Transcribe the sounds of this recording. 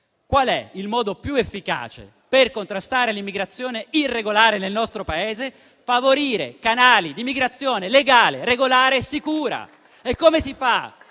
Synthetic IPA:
kwalɛ̰ilmɔːd̪opjuefːika̰ːt͡ʃḛ | perkont̪ɾast̪aːɾelimːiɡɾat̪sːjoːneirːeɡolaːɾenelnɔst̪ɾopaeːze | favoɾiːɾḛkanaːlid̪imːiɡɾat̪sːjoːneleɡaːleɾeɡolaːɾesikuːɾa̰ | ekːomesifa

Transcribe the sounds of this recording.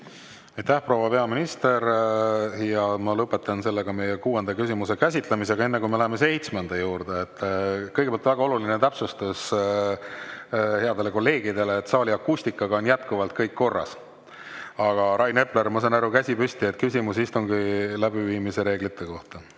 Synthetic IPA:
ɑjt̪æhpro̞ːwɑpe̞ɑminist̪e̞ɾ | jɑmɑlɤpːˑe̞t̪ːˑɑnse̞lːeɡ̥ɑme̞jekuːe̞nd̪̥ɑkys̬ʲimuse̞kæsʲit̪lemise̞ɡɑe̞nːekujmelæɦeme̞se̞jt̪smend̪̥ɑjuːɾd̪̥eet̪ːkɤjɡepeɑlt̪væɡɑo̞lulinet̪æpsust̪us | heɑd̪e̞le̞ko̞lːe̞ːɡid̪e̞leːt̪ːˑsɑːlʲiɑkːust̪ikːˑɑɡ̥ɑonjæt̪kuvɑlt̪̚kɤjkːo̞rːɑ̰s | ɑɡ̥ɑɾɑjne̞pleɾmɑsɑnæɾukæsʲipyst̪iet̪̚ːkysʲimusist̪uŋɡilæb̥iviːmise̞ɾe̞ːɡlit̪ːe̞ko̞ht̪ɑ

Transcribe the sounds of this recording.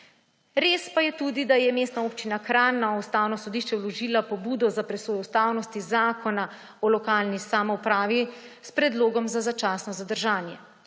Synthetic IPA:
ɾeːspajɛt̪ud̪id̪ajɛmeːst̪naoːpt͡ʃinakɾaːnːaust̪aːwnɔsɔd̪iʃt͡ʃɛwlɔʒiːlapɔbuːd̪ɔzapɾɛsoːjɔust̪aːwnɔst̪izaːkʰɔna | ɔlɔkaːlnisaːmɔupɾaːʋispɾɛd̪loːɡɔmzazat͡ʃaːsnɔzad̪əɾʒaːnjɛ

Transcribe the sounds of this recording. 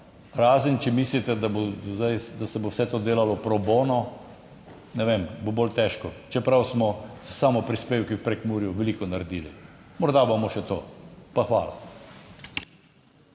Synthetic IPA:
ɾaːzənt͡ʃɛmislit̪ɛd̪abozajd̪asɛbowsɛt̪oːd̪eːlalɔpɾɔboːnɔ | nɛʋembobolt̪ɛːʃkɔt͡ʃɛpɾawsmɔzsaːmɔpɾispeːwkiwpɾɛkmuːɾjuʋɛliːkɔnaɾɛd̪iːlimɔɾd̪abamɔʃɛt̪oːpaxʋa̰ːla̰

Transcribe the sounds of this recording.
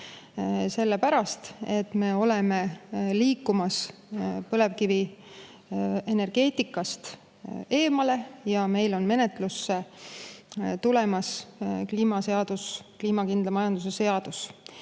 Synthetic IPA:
se̞lːe̞pæɾɑst̪e̞t̪me̞o̞le̞me̞liːkːumɑspɤle̞vkivi | e̞ne̞rɡ̥e̞ːt̪ikːˑɑst̪ | e̞ːmɑle̞jɑme̞jlo̞nme̞net̪ˑlusːe | t̪ulemɑskliːmɑse̞ɑd̪̥uskliːmɑkind̪lɑmɑjɑnd̪̥usese̞ɑd̪̥us

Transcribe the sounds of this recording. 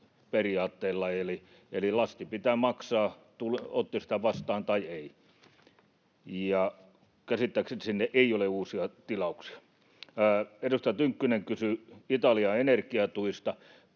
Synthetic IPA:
periɑːt̪ːeːlːɑeli | elilɑst̪ipit̪æːmɑksɑːt̪ulot̪ːisit̪æʋɑst̪ɑːnt̪ɑiei | jɑ | kæsit̪ːæːkset̪sinːeʔeioleuːsiɑt̪ilɑuksi̥ɑ̥ | edust̪ɑjɑt̪yŋkːyneŋkysyit̪ɑliɑenerkiɑt̪uist̪ɑ

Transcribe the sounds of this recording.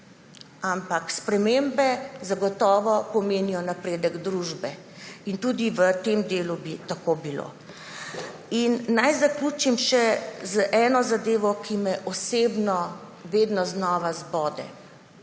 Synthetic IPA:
ampakspɾɛmembɛzaɡɔt̪ɔːʋɔpɔmeːnijɔnapɾeːd̪əɡd̪ɾuʒbɛ | int̪uːd̪iʋət̪emd̪eːlubit̪akoːbilo̰ | innajzakluːt͡ʃimʃɛzəʔɛːnɔzad̪eːʋɔkimɛʔɔseːbnɔ | ʋeːd̪nɔznɔːʋazbɔːd̪ɛ̰

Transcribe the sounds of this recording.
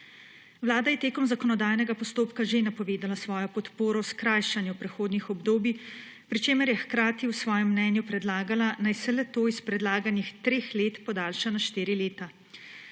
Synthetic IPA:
ʋlaːd̪ajɛt̪eːkɔmzakɔnɔd̪aːjnɛɡapɔst̪oːpkaʒenapɔʋeːd̪alasʋɔːjɔpɔt̪poːɾɔwskɾajʃanjɛpɾɛxoːd̪nixɔbd̪oːbi | pɾit͡ʃeːmɛɾjɛxkɾaːt̪iwsʋɔːjɛmːnɛːnjupɾɛd̪laːɡalanajsɛlɛt̪oːispɾɛd̪laːɡanixt̪ɾeːxleːt̪pɔd̪aːlʃanaʃt̪eːɾileːt̪a

